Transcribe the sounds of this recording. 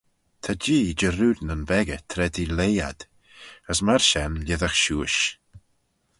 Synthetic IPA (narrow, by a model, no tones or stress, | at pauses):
t̪ʰad͡ʒiːd͡ʒəɾuːdnənbɛɡət̪ʰɾɛdileːja̰d̪̥ | əsmaɹʃɛnlʲɪðaxʃuːʃ